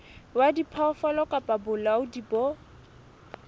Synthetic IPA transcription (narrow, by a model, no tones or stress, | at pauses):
wadipʰɔfɔlɔkʼapʼabʊlaʊdibɔ